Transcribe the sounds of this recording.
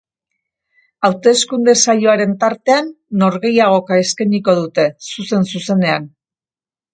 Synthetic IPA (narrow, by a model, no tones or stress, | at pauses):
awt̪e̞skund̪e̞saʎo̞aɾe̞nt̪aɾt̪e̞anː | o̞ɾɣe̞jaɣ̞o̞kae̞skaniko̞ð̞ut̪e̞suse̞nsuse̞ne̞an